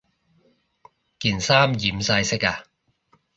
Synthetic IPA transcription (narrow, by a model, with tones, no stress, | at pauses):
kiː˨˩nsaː˥mjiː˨˥msa˧jsɪ˥kaː˧